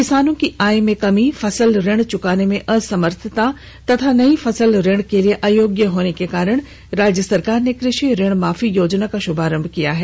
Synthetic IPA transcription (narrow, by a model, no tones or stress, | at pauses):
kɪsaːnõkiʔaːjmẽkɐmifɐsəlɾɪɽ̃t͡ʃʊkaːnemẽʔɐsɐməɾt̪ʰət̪a | t̪ɐt̪ʰanɐĩfɐsəlɾɪɽ̃kelieʔaːjoːɡjəɦoːnekekaːɾəɽ̃ | ɾaːd͡ʒjəsɐɾkaːɾnekɾɪʃiɾɪɽ̃maːfijoːd͡ʒnakaʃʊbʱaːɾə̃mbʱkijaɦɛː